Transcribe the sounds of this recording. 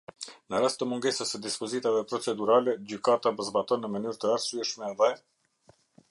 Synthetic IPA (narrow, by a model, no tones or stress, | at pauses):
nəɾast̪ːəmuŋɡɛsəsəd̪ispɔzit̪avɛpɾɔt͡sɛd̪uɾalɛd͡ʑykat̪apəzbat̪ɔnːəmənyɾt̪əaɾsyɛʃmɛðɛ